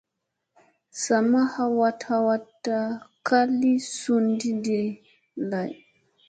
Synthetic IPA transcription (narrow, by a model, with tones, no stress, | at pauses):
sa˨ma˦ha˦wa˦tha˨wa˦tːa˦ka˦li˦su˦ndi˦de˨ | la˨j